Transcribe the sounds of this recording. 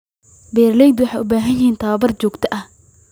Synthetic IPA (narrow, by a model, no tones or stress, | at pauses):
bɛːrlɛjd̪wɑħeːjʔʊbaːɦɐnjɪhiːnt̪ʰɐɐbɐrt͡ʃɔːɡt̪ʰɐʔɐh